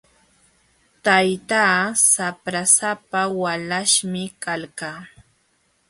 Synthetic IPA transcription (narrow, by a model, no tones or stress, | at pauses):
t̪ajt̪aːsapɾasapawalaʃmɪkalkaː